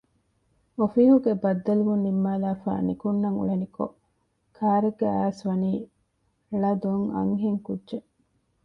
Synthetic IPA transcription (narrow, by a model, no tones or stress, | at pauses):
ofiːɦuɡebɐd̪ːɐluʋunːimːaːlaːfa̰ːnikunːɐŋṵɭeniko̰ | kʰaːɾeɡːea̰ːsʋɐniː | ɭɐd̪oŋɐ̰ŋɦeŋkudːʒe